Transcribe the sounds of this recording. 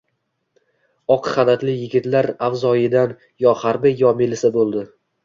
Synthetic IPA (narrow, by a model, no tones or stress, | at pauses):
ɒqʰɨ̥χanat̪lɪjɪɡʲɪt̪laɾawzɒjɪd̪an | jɒhaɾbɪjɒmɪlɪsɪbolˠd̪ɪ